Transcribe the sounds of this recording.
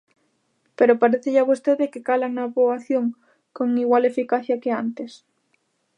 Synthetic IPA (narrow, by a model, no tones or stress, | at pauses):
peɾopaɾeθeʎaβost̪eðekekalanaβoaθjoŋ | koŋiɣwalefikaθjakeant̪es